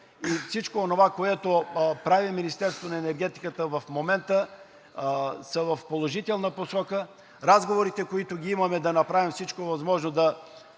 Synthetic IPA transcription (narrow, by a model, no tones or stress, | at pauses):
ifsit͡ʃkoonovakoɛt̪opɾaviminist̪ɛɾst̪ovonɐɛnɛɾɡɛt̪i̥kət̪əvɐfmomɛnt̪ə | səvɐfpolˠoʒit̪ɛlˠnəposɔkə | ɾazɡovoɾit̪ɛkoit̪oɡʲiimɐmɛd̪ɐnɐpɾavimfsit͡ʃkovɐzmɔʒnod̪ɐ